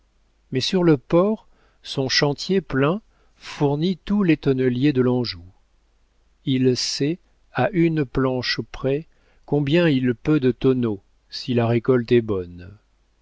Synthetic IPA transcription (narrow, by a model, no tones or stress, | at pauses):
mɛsyʁləpɔʁ | sɔ̃ʃɑ̃t̪jeplɛ̃ | fuʁnit̪ulɛt̪ɔnəljed̪əlɑ̃ʒu | ilsɛ | aʔynplɑ̃ʃpχɛ | kɔ̃bjɛ̃ilpød̪ət̪ɔno | silaʁekɔlt̪ɛbɔn